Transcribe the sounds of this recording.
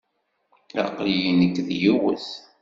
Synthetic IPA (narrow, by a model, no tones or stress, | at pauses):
æ̰qlijinəkːðjuwə̰θ